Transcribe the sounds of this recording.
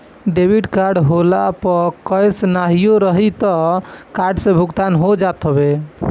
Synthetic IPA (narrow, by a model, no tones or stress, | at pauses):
ɖebʱiɖkaɾɖɦolapəkəjsnaɦijoɾəɦit̪ɔkaɾɖsẽbʱuɡt̪anɦod͡ʒat̪ɦəbe